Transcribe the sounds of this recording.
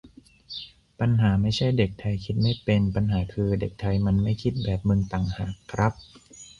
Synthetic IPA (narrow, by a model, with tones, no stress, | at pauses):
pa˧nɦaː˩˦ma˥˩jt͡ɕʰa˥˩jde˨˩k̚t̪ʰa˧jkʰi˦˥t̪̚ma˥˩jpe˧npa˧nɦaː˩˦kʰɯː˧de˨˩k̚t̪ʰa˧jma˧nma˥˩jkʰi˦˥t̪̚bɛː˨˩p̚mɯ˧ŋt̪a˨˩ŋhaː˨˩kʰːɾa˦˥p̚